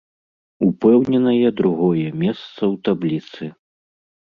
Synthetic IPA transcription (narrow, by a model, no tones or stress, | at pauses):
upɛwnʲɛnɐjɛd̪ɾuɣɔjɛmʲɛst̪sɐwt̪ablʲit̪sɨ